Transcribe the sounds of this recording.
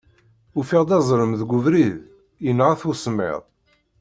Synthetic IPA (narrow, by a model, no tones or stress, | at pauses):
ufiʁd̪ɑzˤɾˤəmðɡʷʊvɾið | jənʁaθusˤmɪ̰ðˤ